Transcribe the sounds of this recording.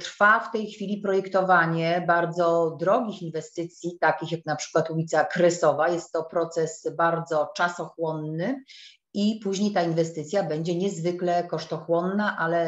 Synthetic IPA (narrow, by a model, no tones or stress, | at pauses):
t̪ɾfaft̪ɛjxfʲilʲipɾɔjɛkt̪ɔvaɲɛbaɾd̪zɔd̪ɾɔɡʲixinvɛst̪ɘt̪sʲjit̪akʲixjaknapʂɘ̥kwat̪ulʲit̪sakɾɛsɔvajɛst̪ːɔpɾɔt̪sɛsbaɾd̪zɔt͡ʂasɔxwɔnːɘ | ipuʑɲejt̪ainvɛst̪ɘt̪sʲjabɛɲd͡ʑɛɲɛzvɘklɛkɔʂt̪ɔxwɔnːaʔalɛ